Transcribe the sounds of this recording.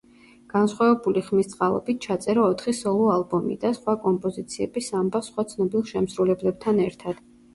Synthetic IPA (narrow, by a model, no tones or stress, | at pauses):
ɡ̥ansχwavɛbuliχmist̪sʼqʼalˠɔ̰bit̪̚ʰt͡ʃʰat̪sʼɛɾɔːt̪ʰχisɔlˠɔalˠbɔmḭd̪asχwakʼɔmpʼɔzit̪sʰiɛbisambasχwat̪sʰnɔbilˠʃɛmsɾulɛblɛb̚t̪ʰanɛɾt̪ʰad̪̥